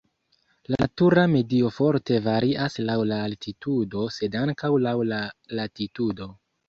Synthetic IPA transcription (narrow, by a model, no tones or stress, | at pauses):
latuɾame̞dio̞fo̞ɾte̞vaɾiʔaslawlaːltitudo̞se̞daŋkawlawlalatitudo̞